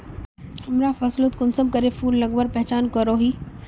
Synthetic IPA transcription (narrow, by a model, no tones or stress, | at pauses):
hɐmɾafɐslət̪kʊnsəmkɐɾefuːlːɐɡbəɾpɛɦt͡ɕaːnkɐɾoːɦiː